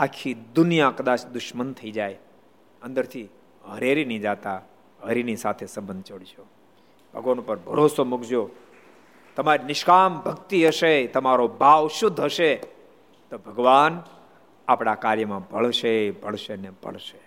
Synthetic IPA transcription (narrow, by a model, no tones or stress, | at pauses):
akʰid̪ʊnijakəd̪at͡ʃʰd̪ʊʃmənt̪ʰəid͡ʒaj | ə̃nd̪əɾt̪ʰi | ɦəɾeɾinid͡ʒat̪a | ɦəɾinisat̪ʰesəmbənd̪̚ʱt͡ʃoɽit͡ʃo | b̥ʱəɡʋanupəɾbʱəɾosomʊkd͡ʒo | t̪əmaɾinɪʃkambʱəkt̪iɦəʃet̪əmaɾobaʋʃʊd̪ʱːɦəʃe | t̪obʱəɡʋan | apɽakaɾjəmãbʱəɭʃebʱəɭʃenebə̰ɭʃe